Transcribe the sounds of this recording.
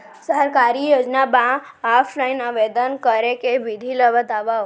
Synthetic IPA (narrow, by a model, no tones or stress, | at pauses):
səəɾkaɾijod͡ʒnamã | apʰlainəʋed̪ənkəɾekeʋid̪ʱiləʋət̪aʋao